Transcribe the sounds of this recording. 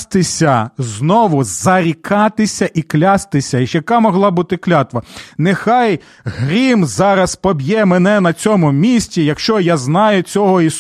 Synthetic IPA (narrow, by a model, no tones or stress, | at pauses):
st̪ɪsʲɐznɔʋʊzɐɾʲikɑt̪ɪsʲɐʔiklʲɑst̪ɪsʲɐʃjɐkɑmɔɦlˠɑbut̪ɪklʲɑt̪ʋɐnɪxɑj | ɦɾʲimzɑɾɐspɔbʲjɛmɛnɛnɐt͡sʲɔmʊmʲisʲtʲijɐkʃt͡ʃɔjaznɑjʊt͡sʲɔɦɔis